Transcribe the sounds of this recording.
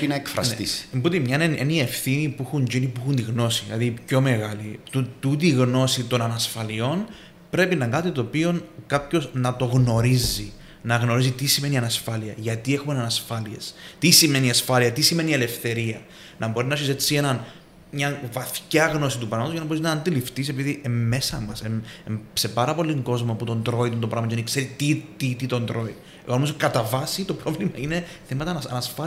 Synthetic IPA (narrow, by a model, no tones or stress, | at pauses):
inɐekfɾɐ̰snt̪ḭsmbut̪imɲɐnenenie̞fθinipuixuɲd͡ʒinipuixunt̪iɣno̞siðilɐ̰ðipço̞me̞ɣɐlit̪ut̪ut̪̬iɣno̞sit̪o̞nɐnɐsfɐlio̞n | pɾe̞pinɐkɐt̪it̪o̞ːpio̞nkɐpço̞snɐt̪o̞ɣno̞ɾizi | nɐɣno̞ɾisit̪isime̞niɐnɐsfɐliɐʝɐt̪ie̞xumenɐnɐsfɐliḛst̪isime̞niɐsfɐliɐt̪isime̞nie̞le̞fθe̞ɾiɐ | nʔɐbo̞ɾinɐsiset͡sːie̞nɐn | mɲɐvɐθcɐɣno̞sit̪upɾɐmɐt̪oʝɐnɐbo̞ɾiznɐnd̪ilift̪isepiðiʔemːe̞sɐmɐseese̞pɐɾɐpo̞liŋɡo̞zmɐput̪o̞nd̪ɾo̞it̪unt̪o̞pɾɐmɐcenikse̞ɾit̪it̪it̪it̪o̞nd̪ɾo̞i | eɣonomizokɐt̪ɐvɐsit̪o̞pɾo̞vlimɐine̞ | θemɐt̪ɐɐnɐsfɐ